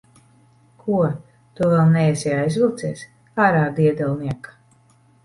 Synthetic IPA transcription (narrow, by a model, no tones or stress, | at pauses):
kʰuɔ | t̪uvɛlˠnɛjɛsʲɛjajzvilˠt̪sɛːs | aːɾaːd̪iɛd̪ɛlˠniɛkḁ